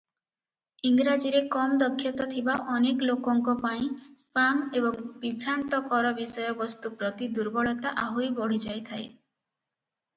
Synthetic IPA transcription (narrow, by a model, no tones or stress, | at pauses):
iŋɡɾad͡ʒiɾekɔmd̪ɔkʰːjɔt̪ɔt̪ʰibaʔɔneklokɔŋkɔpaĩspamebɔŋbibʱɾant̪ɔkɔɾɔbisɔjɔbɔst̪upɾɔt̪id̪uɾbɔɭɔt̪aʔaɦuɾibɔɽ̤id͡ʒajt̪ʰae